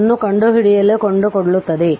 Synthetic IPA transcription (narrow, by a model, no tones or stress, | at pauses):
nːukɐɳɖuɦiɽijɐlːekoɳɖukoɽɐɭut̪ːɐd̪e